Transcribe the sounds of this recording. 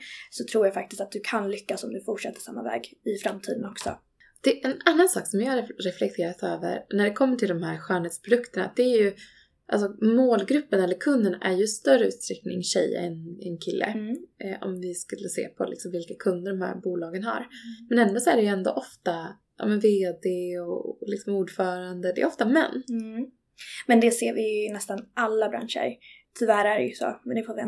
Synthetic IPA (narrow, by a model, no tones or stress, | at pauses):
sɔt̪ʰɾuːjafak̚t̪ɪst̪at̪̚d̪ɵkʰanlʏkːasɔmd̪ɵfʊʈʂɛt̪ːə̥ʂsamːa̰vɛ̰ːɡɪfɾamt̪ʰiːd̪ənɔksɔ̰ | d̪̥ɛʔɛnanːansɑ̰ːksɔmjɑːɾɾɛflɛk̚t̪ʰeːɾat̪øːvə̰ɾnæɖɛkʰɔmːəʈʰɪld̪ɔmhæɾɧœːɳheːt̪spʰɾʊd̪ɵkt̪əɳa̰d̪̥ɛːɾjɵ | ʔalsɔmoːlɡɾɵpːənɛlːəɾkʰɵnd̪ənæɾjɵst̪œɾəʉ̟ːt̪st̪ʰɾɛknɪ̰ŋɕɛ̰j̰ːɛnɛnkʰɪlːə̰ʔɔmvɪskɵlːəsḛːpʰɔ̰lɪ̰ksɔmvɪlkakʰɵnd̪əɖɔmhæ̰ɾbuːlɑːɡənha̰ɾmɛnɛnd̪osɔæɖɛjɵɛnd̪ɔ̰ʔɔft̪a | ʔɑ̰ːmɛnveːd̪eɔlɪksɔmuːɖfœːɾand̪əd̪ɛ̰ːɔft̪amɛ̰nː | mɛnd̪ɛseːɾvɪjnɛst̪anʔalːabɾa̰nʂə̰ɾt̪ʰʏvæːɾæɾɛ̰jɵso̰ːmɛnd̪ɛfoːvɪɛ